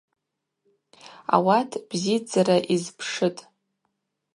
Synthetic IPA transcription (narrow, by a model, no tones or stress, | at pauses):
a̰watʰb̥zid͡zaɾaʔizpʰʂɨtʼ